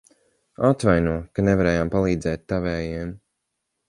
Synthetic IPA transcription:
at̪vajnuɔkanevaɾɛːjaːmpalˠiːd̪zɛːt̪ːavɛːjɛɛm

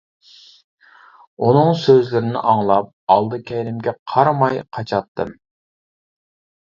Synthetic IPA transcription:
unɨŋsøzlɪɾɪnɪ̰ʔɑŋlˠɑp̚ɑlˠd̪ɨkʲʰɛjɾɪmɡʲɛqʰɑɾmɑjqʰɑt͡ʃʰɑt̪ʰːɨm

